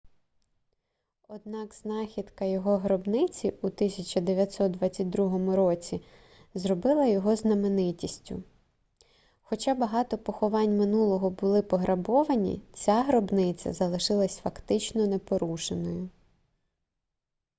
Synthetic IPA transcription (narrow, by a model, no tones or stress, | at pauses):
ɔd̪̚nɑkz̥nɑxʲid̪kɐjɔɦɔɦɾɔbnɪt͡sʲiut̪ɪsʲɐt͡ʃɐd̪eʋʲjɐt̪ʲsɔt̪̚d̪ʋɑt͡sʲːɐt̚ʲd̪ɾuɦɔmʊɾɔt͡sʲi | zrɔbɪlˠɐjɔɦɔznɐmenɪtʲisʲtʲʊ̰ | xɔt͡ʃɑbɐɦɑt̪ɔpɔxɔʋɑnʲmɪnulˠɔɦɔbʊlˠɪpɔɦɾʔɐbɔʋɐnʲḭt͡sʲaɦɾɔbnɪt͡sʲɐ̰zɐlˠɪʃɪlˠɐsʲfɐkt̪ɪt͡ʃnɔnepɔɾuʃenɔjʊ